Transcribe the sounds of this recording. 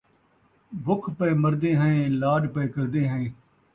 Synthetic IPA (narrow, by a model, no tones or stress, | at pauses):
bʱʊkʰpəːməɾd̪ĩːɦəẽːlaːɖpəːkəɾd̪ĩːɦəẽː